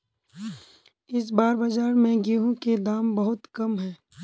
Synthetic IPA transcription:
ɪs̬baːɾbɐd͡ʒaːɾmẽɡiːɦũked̪aːmbɐɦʊt̪kɐmɦɛ̃ː

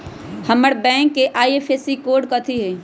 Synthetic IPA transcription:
hɐməɽbɛ̃ːŋkːeʔaːieːpʰesikoːɾɖkɐt̪ʰiɦɛː

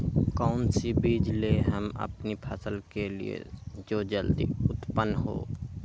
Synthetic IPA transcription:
kɔːnsibiːd͡ʒleɦəmə̰pnipʰəsəlkelḭḛd͡ʒoːd͡ʒəld̪ḭʊt̪pənɦo̰ː

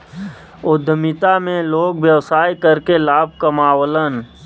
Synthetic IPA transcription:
ʊd̪ʱəmɪt̪amẽloːɡwjəwsaːikəɾkelaːb̚ʱkəmaːwlən

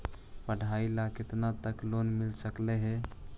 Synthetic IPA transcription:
pəɽ̤ʱailaket̪nat̪əklonmilsəkleɦɛ̃

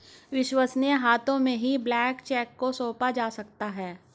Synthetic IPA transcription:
ʋɪʃwəsneɦaːt̪õmẽɦiblɛːkt͡ʃɛːkːosoːpad͡ʒaːsɐk̚t̪aɦɛː

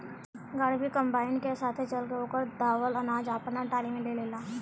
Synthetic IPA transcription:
ɡəɽbʱikə̃mbaːɪnkesaːt̪ʰet͡ʃɐlkeoːkəɾd̪aːʋəlɐnaːd͡ʒaːpnaʈaːɾimẽleːleːlaː

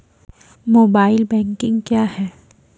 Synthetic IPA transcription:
moːbaːɪlbɛ̃ːŋkɪ̃ŋɡkjaːhɛː

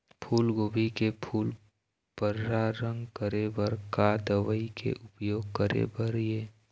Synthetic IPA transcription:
pʰuːlɡoːbʱikepʰuːl | pəɾɾaɾə̃ŋɡkəɾebəɾkad̪əʋəikḛʔʊpjoːɡ̚kəɾḛbəɾjeː

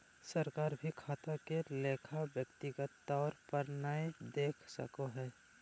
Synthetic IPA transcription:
səɾkaːɾbʱikʰaːt̪akeleːkʰabjəkt̪iɡət̪ːɔːɾpəɾnaed̪eːkʰsə̰koɦɛː

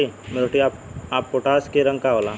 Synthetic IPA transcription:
imeɾoʈiaːp̚aːpːoʈaːskeɾɐ̃ŋɡkaɦolãː

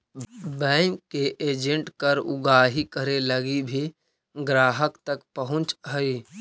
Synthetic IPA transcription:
bɛːmkeʔeːd͡ʒə̃ɳʈkəɾʊ̰ɡaːɦikəɾeləɡibʱi | ɡɾaːɦəkt̪əkpəɦʊ̃t͡ʃɦəi

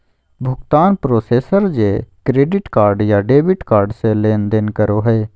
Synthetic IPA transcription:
bʱʊkt̪aːnpɾoːseːsəɾd͡ʒeːkɾeːɖɪʈkaːɾɖjaːɖeːbɪʈkaːɾɖseleːnd̪ɪnkəɾoːɦeː

